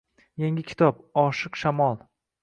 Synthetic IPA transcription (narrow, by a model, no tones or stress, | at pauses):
jeŋʲɪkʲʰɪ̥t̪ʰɒpɒʃɨqʃamɒlˠ